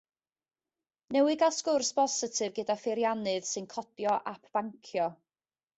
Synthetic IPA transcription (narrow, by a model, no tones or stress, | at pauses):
nɛwɨɡaskʊrsb̥ɔsɪtʰɨvɡədafɪɾjanɨð̥sɨnkʰɔtjɔʔapʰb̥aŋkʰjɔ